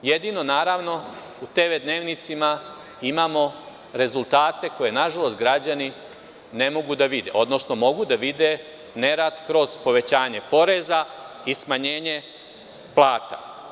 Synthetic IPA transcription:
je̞d̪ino̞naːɾaʋno̞ | ut̪eʋed̪ne̞ːʋnit̪sima | imaːmo̞ | ɾe̞zulˠt̪aːt̪e̞ko̞je̞naʒalˠo̞st̪ɡɾad͡ʑani | ne̞mo̞ɡud̪aʋid̪e̞̰ʔo̞d̪no̞sno̞mo̞ɡud̪aʋid̪e̞ | ne̞ɾad̪kɾo̞zpo̞ʋe̞t͡ɕaːɲe̞po̞ɾe̞za | ismaɲe̞ːɲe̞ | plˠaːt̪a̰

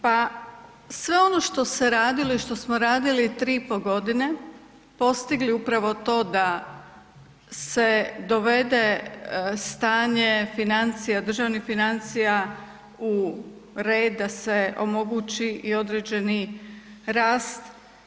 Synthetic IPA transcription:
pa | sʋe̞o̞no̞ʃt̪o̞seɾaːd̪iloiʃt̪o̞smoɾaːd̪ilit̪ɾiːpoɡo̞d̪ine̞ | po̞st̪iɡliupɾaʋo̞t̪o̞ːd̪a | sed̪o̞ʋe̞d̪e̞ | st̪aːɲefinant̪sijad̪r̩ʒaʋnixfinant̪sija | u | ɾeːd̪ːaseʔo̞mo̞ɡut͡ʃiʔio̞d̪ɾeːd͡ʒe̞ni | ɾaːst̪

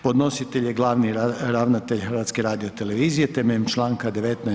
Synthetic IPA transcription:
po̞d̪no̞sit̪eʎjeɡlˠaːʋniɾaʋnat̪eʎxrʋat̪skeɾaːd̪io̞t̪ele̞ʋiːzijet̪ememt͡ʃlˠaːŋkad̪eʋet̪na

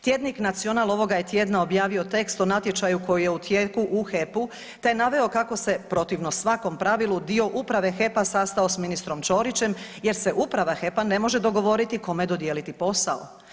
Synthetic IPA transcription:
t̪je̞d̪niknat̪sijo̞nalˠo̞ʋo̞ɡaje̞t̪je̞ːd̪nao̞bjaːʋio̞t̪e̞kst̪o̞nat̪jet͡ʃajuko̞jijeut̪jekuʔuxe̞pu | t̪enaʋe̞okako̞se̞pɾo̞t̪iʋnosʋako̞mpɾaʋilˠud̪io̞ʔupɾaʋe̞xe̞pasast̪ao̞sminist̪ɾo̞mt͡ʃo̞ɾit͡ɕe̞mje̞ɾse̞ʔupɾaʋaxe̞pane̞mo̞ʒed̪o̞ɡo̞ʋo̞ɾit̪iko̞med̪o̞d̪je̞ːlit̪ipo̞sao̰

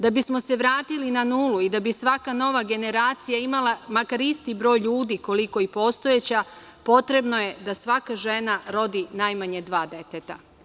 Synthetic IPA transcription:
d̪abismo̞se̞ʋɾaːt̪ilinanuːluid̪abisʋakano̞ʋaɡe̞ne̞ɾaːt̪sijaimalˠamakaɾist̪ibɾo̞ːjʎuːd̪iko̞liko̞ipo̞st̪o̞jet͡ɕa | po̞t̪ɾe̞bno̞je̞d̪asʋakaʒe̞naɾo̞d̪inajmaɲed̪ʋaːd̪e̞t̪et̪a

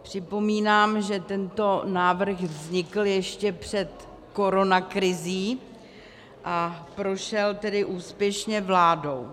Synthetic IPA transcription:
pr̝̥ɪpo̞miːnaːmʒɛt̪ɛnt̪o̞naːvr̩xvzɲɪkl̩jɛʃcɛpr̝̥ɛt̪ | ko̞ɾo̞nakɾɪziː | ʔapɾo̞ʃɛlt̪ɛdɪʔuːspjɛʃɲɛvlaːdo̞w

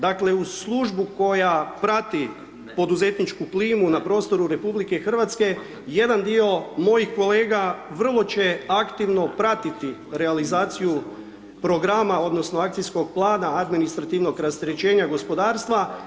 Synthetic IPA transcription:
d̪akle̞uslˠuʒbuko̞japɾat̪i | po̞d̪uze̞t̪nit͡ʃkupliːmunapɾo̞ːst̪o̞ɾuɾe̞publikexr̩ʋat̪ske̞ | je̞d̪and̪io̞mo̞jixko̞le̞ːɡaʋər̩lˠo̞t͡ɕeakt̪iʋno̞pɾat̪it̪iɾe̞alizaːt̪siju | pɾo̞ɡɾamao̞d̪no̞snoakt̪sijsko̞ɡ̚plˠaːnaːd̪minist̪ɾat̪iʋno̞ɡɾast̪eɾet͡ʃe̞ːɲaɡo̞spo̞d̪aːɾst̪ʋa

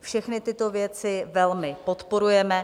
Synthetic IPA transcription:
fʃɛxnɪt̪ɪt̪o̞vjɛt͡sɪvɛlmɪpo̞t̪po̞ɾujɛmɛ

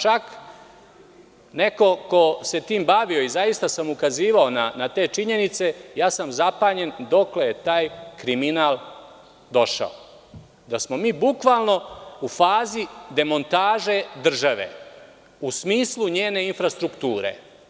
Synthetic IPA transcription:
t͡ʃak | ne̞ko̞ko̞se̞t̪iːmbaʋio̞izajist̪asamukaziːʋao̞nanat̪e̞ːt͡ʃiɲe̞nit̪se̞jaːsamzapaːɲe̞nd̪o̞kle̞jet̪aːjkɾiminaːl | d̪o̞ʃa̰o̰ | d̪asmomiːbukʋaːlno̞ufaːzid̪e̞mo̞nt̪aːʒe̞d̪r̩ʒaʋe̞̰ | usmiːsluɲeːne̞infɾast̪ɾukt̪uːɾḛ

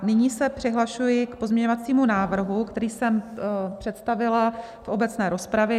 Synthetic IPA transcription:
nɪɲiːsɛpr̝̥ɪɦlaʃujɪkpo̞zmɲɛɲovat͡siːmunaːvr̩ɦukt̪ɛɾiːsɛmpr̝̥ɛt̪st̪avɪla | fʔo̞bɛt͡snɛːɾo̞spɾavjɛ

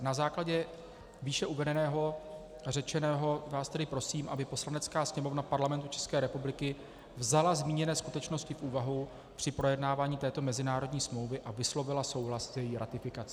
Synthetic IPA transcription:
nazaːklaɟɛ | viːʃɛʔuvɛdɛnɛːɦo̞ | rɛt͡ʃɛnɛːɦo̞vaːst̪ɛdɪpɾo̞siːmʔabɪpo̞slanɛt͡skaːsɲɛmo̞vnapaɾlamɛnt̪ut͡ʃɛ̥skɛːɾɛpublɪkɪ | vzalazmiːɲɛnɛːskut̪ɛt͡ʃno̞scɪfʔuːvaɦu | pr̝̥ɪpɾo̞jɛdnaːvaːɲiːt̪ɛːt̪o̞mɛzɪnaːɾo̞dɲiːsmlo̞wvɪʔavɪslo̞vɪlaso̞wɦlaszjɛjiːɾat̪ɪfɪkat͡si

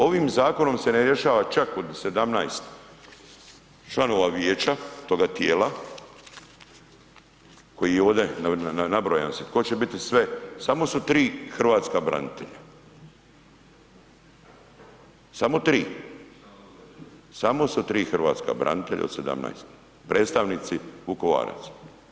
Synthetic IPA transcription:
o̞ʋimzaːko̞no̞mse̞neɾje̞ʃaːʋat͡ʃako̞d̪se̞d̪amnajst̪ | t͡ʃlˠano̞ʋaʋjeːt͡ʃat̪o̞ːɡat̪jeːla | ko̞jioːd̪enananabɾoja̰nsit̪kot͡ɕebit̪isʋesamo̞sut̪ɾiːxr̩ʋaːt̪skabɾa̰nit̪ḛʎa | samo̞t̪ɾiː | samosut̪ɾiːxr̩ʋa̰ːt̪ska̰bɾa̰nit̪eʎʔa̰od̪sed̪a̰mna̰jst̪ | pɾeːt̪st̪aʋnit̪siʋukoʋa̰ːɾa̰t̪s

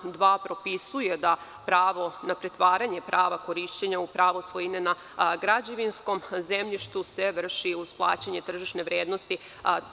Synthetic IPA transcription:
d̪ʋaːpɾo̞pisuje̞d̪a | pɾaːʋo̞napɾet̪ʋaːɾaɲe̞pɾʔaːʋakoɾiʃt͡ɕeɲaupɾaːʋoslojinena | ɡɾad͡ʑeʋinsko̞mzemʎiʃt̪useʋr̩ʃiuzplˠa̰ːt͡ɕaɲet̪r̩ʒiʃne̞ʋɾjeːd̪nost̪i

